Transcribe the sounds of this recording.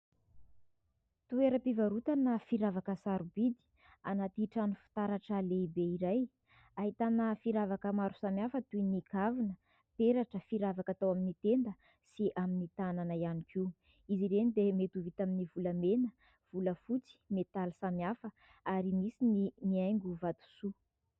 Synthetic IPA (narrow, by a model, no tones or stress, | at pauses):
t̪ueɾəpivaɾut̪anəfiɾavakəsaɾubid̪i̥ | anat̪iʈ͡ʂanufi̥t̪aɾaʈ͡ʂəleibeiɾaj | aɦit̪anəfiɾavakəmaɾu̥samʲafət̪uinikʰavinə | peɾaʈ͡ʂəfiɾavakat̪awaminit̪end̪ə | siʔaminit̪ananəianikʰiw | iziɾenid̪emet̪uvit̪aminivuləmenə | v̥uləfut͡si̥met̪alisamiafə | aɾimisininiajŋɡuvat̪u̥su